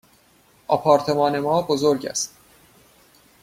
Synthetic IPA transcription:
ʔɒpʰɒːɾt̪ʰe̞mɒːne̞mɒːbozoɾɟæ̰st̪

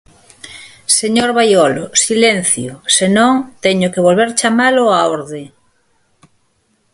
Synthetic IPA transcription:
seɲoɾβajolosilenθjosenõŋt̪ɛɲʊkeβolβeɾt͡ʃamaloaoɾðe

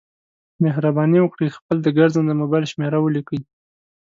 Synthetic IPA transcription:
meɦɾabɑniwəkɽixpəld̪əɡaɾzənd̪əmobɑjlʃmeɾawəlikəj

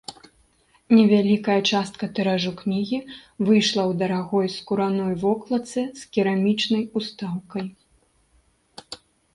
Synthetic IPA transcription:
nʲɛvʲalʲikɐjɐt͡ʂast̪̚kɐt̪ɛɾaʐuknʲiɣʲivɨjʂlˠɐwd̪ɐɾaɣɔjskuɾanɔjvɔklˠɐt̪sɨskʲiɾamʲit͡ʂnɐjust̪awkɐj

